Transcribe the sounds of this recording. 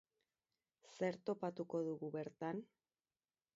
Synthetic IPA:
se̞ɾt̪o̞pat̪uko̞ðuɣuβe̞ɾt̪an

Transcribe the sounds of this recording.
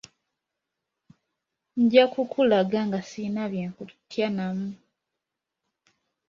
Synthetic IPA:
ɲ̩ɟakukʰulaɡaŋɡasiːnaβjeːŋkutʰjanamu

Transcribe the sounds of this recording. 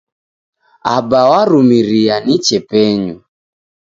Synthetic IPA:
abawaɾumiɾianit͡ʃɛpɛɲu

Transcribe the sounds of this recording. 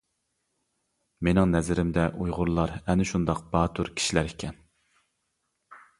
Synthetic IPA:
menɪŋnɛzɪɾɪmd̪ɛʔujʁʊɾlˠɑɾɛnɪʃund̪ɑqb̥ɑːt̪ʰuɾkʲʰi̥ʃilæɾikʲʰɛn

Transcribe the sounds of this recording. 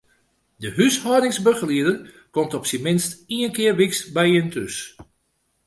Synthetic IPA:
dəɦyshɔdɪŋsbøɣəliədər | kɔmtɔpsimɪnstiənkɪərʋiksbɛjəntʰøs

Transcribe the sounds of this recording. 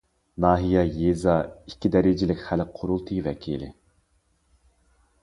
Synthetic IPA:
nɑːɦijɛjezɑikʲʰːid̪ɛɾɪd͡ʒɪlɪkʲχælqʰoɾulˠt̪ʰɨvɛ̰kʲʰḭlɪ̰

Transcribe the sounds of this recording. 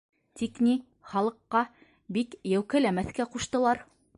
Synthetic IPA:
t̪ikni | χɑlˠɤ̆qːɑ | bikjæwkælæmæθkæquʃt̪ɤ̆lˠɑɾ

